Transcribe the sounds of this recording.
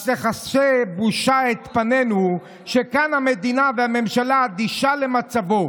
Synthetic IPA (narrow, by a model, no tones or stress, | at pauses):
leχasebuʃaet̪panenu | ʃekanhame̞d̪inaveame̞mʃalaad̪iʃalemat͡savo̞